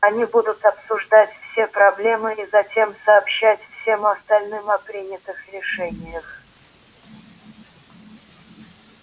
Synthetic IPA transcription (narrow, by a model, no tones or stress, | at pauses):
ɐnʲibud̪ʊt̪ɐpsʊʐd̪atʲfsʲepɾɐblʲe̞mɨizɐtʲe̞msɐːpɕːætʲfsʲe̞mɐst̪ɐlʲnɨmɐpɾʲinʲɪt̪ɨxɾʲɪʂɛnʲɪjəx